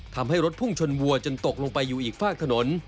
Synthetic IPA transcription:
t̪ʰa˧mɦa˥˩jɾo˦˥t̪̚pʰu˥˩ŋt͡ɕʰo˧nwu˧ɐt͡ɕo˧nt̪o˨˩k̚lo˧ŋpa˧jːuː˨˩ʔiː˨˩k̚faː˥˩k̚t̪ʰa˧no˩˦n

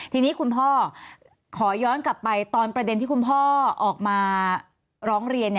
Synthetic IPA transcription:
t̪ʰiː˧niː˦˥kʰu˧npʰɔː˥˩ | kʰɔː˩˦jɔː˦˥nkla˨˩pːa˧jt̪ɔː˧npɾa˧de˧nt̪ʰiː˥˩kʰu˧npʰɔː˥˩ʔɔː˨˩k̚maː˧ | ɾɔː˦˥ŋɾi˧ənː˥˩

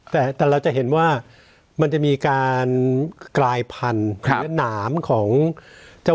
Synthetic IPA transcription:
t̪ɛː˨˩t̪ɛː˨˩ɾa˧wt͡ɕa˨˩ɦe˩˦nwaː˥˩ | ma˧nt͡ɕa˨˩ʔmiː˧kaː˧nklaː˧jpʰa˧n˧˦˩naː˩˦mkʰɔː˩˦ŋt͡ɕa˥˩

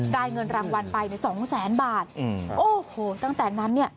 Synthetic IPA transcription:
daː˧jŋɤ˧nɾaː˧ŋwa˧npa˧jni˥˩sɔː˩˦ŋsɛː˩˦nbaː˨˩t̪̚ʔoː˨˧˩hoː˨˩t̪a˥˩ŋt̪ɛː˨˩na˦˥nːi˥˩ɐ

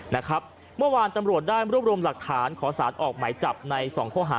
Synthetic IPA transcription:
na˦˥kʰɾa˦˥p̚ | mɯ˥˩ɐwaː˧nt̪a˧mɾu˨˩ət̪̚daː˥˩jɾu˥˩p̚ɾu˧mla˨˩k̚t̪ʰaː˩˦nkʰɔː˩˦saː˩˦nʔɔː˨˩k̚maː˩˦jt͡ɕa˨˩p̚na˧jsɔː˩˦ŋkʰɔː˥˩ɦaː˩˦

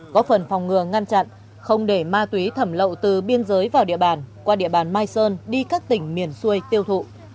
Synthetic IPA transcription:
kɔ˨˦fə˨˩nfa˨˩wŋ͡mŋɨ˨˩əŋa˧nt͡ɕa̰˧˨n | xə˧wŋ͡mɗe˧˩maː˧t̪wi˨˦t̪ʰə˧˩mlə̰˧˨wt̪ɨ˨˩ɓi˧ənzəː˨˦jvaː˨˩wɗḭ˧˨əɓaː˨˩nkwaː˧ɗḭ˧˨əɓaː˨˩nmaː˧jsəː˧nɗi˧kaː˦˥k̚t̪ï˧˩ŋ̟mi˨˩ənsu˧ə˨jt̪i˧əwt̪ʰṵ˧˨

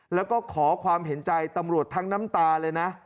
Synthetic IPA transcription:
lɛː˦˥wkɔː˥˩kʰɔː˩˦kʰwaː˧mɦe˩˦nt͡ɕa˧jt̪a˧mɾu˨˩ət̪ʰːaː˦˥ŋna˦˥mt̪aː˧lɤː˧jna˦˥

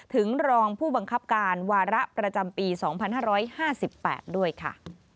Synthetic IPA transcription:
t̪ʰɯ˩˦ŋɾɔː˧ŋpʰuː˥˩ba˧ŋkʰa˦˥p̚kaː˧nwaː˧ɾa˦˥ʔpɾa˧t͡ɕa˧mpiː˧sɔː˩˦ŋpʰa˧nɦaː˥˩ɾɔː˦˥jhaː˥˩si˨˩pːɛ̰ː˨˩t̪̚du˥˩əjkʰa̰˥˩

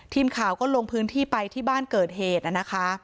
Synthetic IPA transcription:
t̪ʰiː˧mkʰaː˨˩wkɔː˥˩lo˧ŋpʰɯː˦˥nt̪ʰiː˥˩pa˧jt̪ʰiː˥˩baː˥˩nkɤː˨˩t̪̚ɦeː˨˩t̪̚ʔa˨˩na˦˥kʰa˦˥

